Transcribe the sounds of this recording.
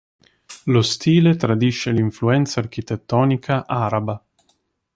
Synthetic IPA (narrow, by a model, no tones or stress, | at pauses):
lost̪ʰiːlet̪ɾad̪iʃːeliɱfluɛnt̪saːrk̟it̪et̪ːɔːnikʰaʔaːɾaba